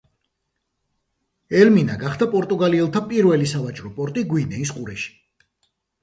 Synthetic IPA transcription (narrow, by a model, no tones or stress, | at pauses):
ɛlminaɡaχd̪apʼɔɾt̪ʼuɡaliɛlˠt̪ʰapʼiɾvɛlisavat͡ʃʼɾɔpʼɔɾt̪ʼiɡwinɛis̬qʼuɾɛʃi̥